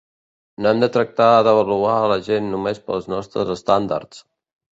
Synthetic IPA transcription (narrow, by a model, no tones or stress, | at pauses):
nɛmd̪ət̪ɾək̚t̪aəðəβ̞əluaələʒenːumespəlˠznɔst̪ɾəzəst̪and̪a̰rt͡s